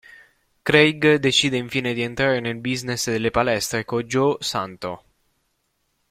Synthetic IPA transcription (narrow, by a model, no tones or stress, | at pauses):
kɾejɡd̪et͡ʃiːd̪eiɱfiːned̪ient̪ɾaːɾenelbiznesd̪elːepalɛst̪ɾekod͡ʒosant̪o̰